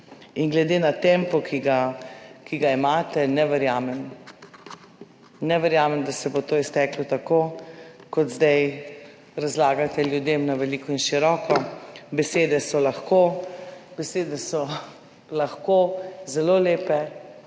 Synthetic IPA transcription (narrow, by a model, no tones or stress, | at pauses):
inɡlɛd̪eːnat̪ɛmpɔkʰiɡakiɡaimaːt̪ɛnɛʋɛɾjaːmɛm | nɛʋɛɾjaːmɛmd̪asɛbot̪oːist̪ɛklɔt̪akoːkɔt̪zd̪aj | ɾazlaːɡat̪ɛljud̪emnaʋɛliːkɔinʃiɾɔːkɔbɛseːd̪ɛsɔlaxkobɛseːd̪ɛsɔ | laxkozɛloːleːpɛ